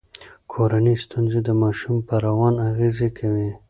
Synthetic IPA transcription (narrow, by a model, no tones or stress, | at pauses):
kʰoɾanist̪unzed̪əmɑʃumpəɾawɑnaɣezekʰawi